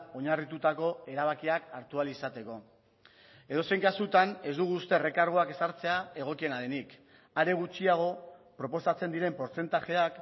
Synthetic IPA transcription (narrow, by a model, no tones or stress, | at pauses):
o̞ɲarit̪ut̪ako̞e̞ɾaβ̞akiakaɾt̪ualisat̪e̞ko̞ | e̞ð̞o̞se̞jŋkasut̪ane̞zd̪uɣ̞uːst̪e̞re̞kaɾɣ̞oake̞saɾt͡se̞ae̞ɣ̞o̞kie̞naðenik | aɾe̞ɣ̞ut͡ʃiaɣ̞o̞pɾo̞po̞sat͡se̞nd̪iɾe̞mpo̞ɾt͡se̞nt̪aʝe̞ak